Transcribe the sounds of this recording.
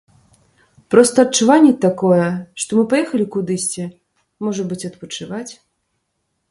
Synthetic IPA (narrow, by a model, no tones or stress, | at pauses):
pɾɔst̪ɐːtt͡ʂːuvanʲːɛt̪akɔjɛʂt̪ɔmɨpajɛxɐlʲikud̪ɨsʲt͡sʲɛ | mɔʐɐbɨt͡sʲɐt̪̚pɐt͡ʂɨvat͡sʲ